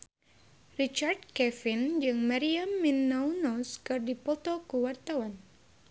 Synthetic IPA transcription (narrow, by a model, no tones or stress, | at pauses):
rit͡ʃard̪̚kɛfind͡ʒɨŋmaɾiamːinːɔwnɔskɨrdipɔt̪ɔkuwart̪awan